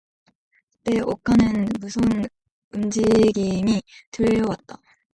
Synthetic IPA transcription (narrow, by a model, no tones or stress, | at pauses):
kɯ̥t͈e̞ʔokʰanɯnmusʰon | ɯmd͡ʑiɡimitɯʎːʌwat̚t͈a